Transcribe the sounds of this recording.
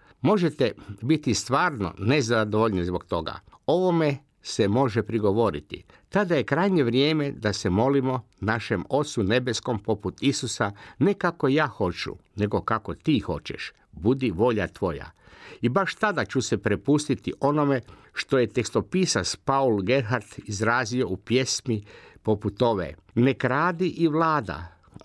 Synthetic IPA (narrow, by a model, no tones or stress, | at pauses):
mo̞ʒet̪ebit̪ist̪ʋaːɾno̰nezad̪oʋoʎnizbokt̪o̞ɡa̰o̞ʋo̞me | semo̞ʒepɾiɡo̞ʋo̞ɾḭt̪ḭ | t̪ad̪aje̞kɾajɲe̞ʋɾjeːme̞d̪asemo̞limo̞ | naʃemo̞t̪sune̞be̞sko̞mpo̞put̪isusane̞kako̞jaːxo̞t͡ʃṵne̞ɡo̞kakot̪iːxo̞̰t͡ɕɛ̰ʃ | bud̪iʋo̞ʎat̪ʋo̞ja̰ibaʃt̪ad̪at͡ɕusepɾepust̪it̪iʔo̞nome | ʃt̪o̞je̞t̪ekst̪opisaspaulɡe̞ɾɦaɾt̪izɾaːzio̞upje̞smipo̞put̪o̞ʋḛ | ne̞kɾaːd̪iʔiʋlˠaːd̪a̰